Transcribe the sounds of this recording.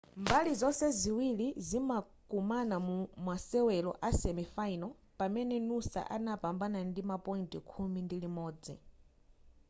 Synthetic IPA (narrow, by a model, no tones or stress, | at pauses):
mbalizɔsɛziwilizimakumanamumasɛwɛlɔʔasɛmifainɔ | pamɛnɛnusa̰ʔanapambanandimapɔintʼikʰumindilimɔːd͡zḭ